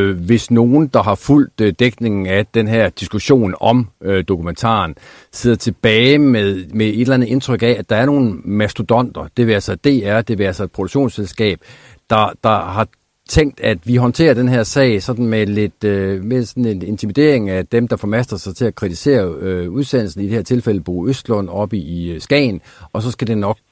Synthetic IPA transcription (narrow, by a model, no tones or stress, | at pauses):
ʋe̝sno̝ːn̩d̥ɑ̈ɦɑ̈ful̰d̥d̥eɡ̥ne̝ŋn̩æd̥enɦæɐ̰d̥isɡ̥uɕo̝̰ːnɒ̽md̥o̝kʰument͡sʰɑ̰̈ːn | se̝ð̰ˠɐt͡sʰe̝b̥ɛːɪmeðˠmee̝d̥lænð̩ˠe̝nt͡sʰʁœɡ̥ææd̥ɑ̈æɐno̝ːn̩mæsd̥ud̥ɒ̽n̰d̥ɐd̥e̝ʋæɐsɑd̥e̝ːæɐd̥e̝ʋæɐsɐe̝d̥̚pʰʁo̝d̥uɡ̥ɕo̝̰ːnselsɡ̥ɛ̰ːb̥ | d̥ɑ̈d̥ɑ̈hɑ̈ | t͡sʰeŋ̰ɡd̥æd̥ʋiɦɒ̽nt͡sʰe̝̰ːɐd̥enɦeɐ̰sɛ̰ɪsɒ̽d̥n̩mele̝d̥mesɒ̽nn̩e̝ne̝nt͡sʰimid̥e̝ɐ̰eŋæd̥emd̥ɑ̈fɒ̽mæsd̥ʁɐsɑ̈ɪt͡sʰe̝ækʰʁit͡sʰise̝̰ːɐuðˠsen̰l̩sn̩id̥e̝hæɐt͡sʰe̝lfel̰əb̥ṵːøsd̥lɔn̰ɒ̽b̥iisɡ̥ɛ̰ːɪnʔɒ̽sɒ̽sɡ̥æd̥e̝nɒ̽ɡ̥̚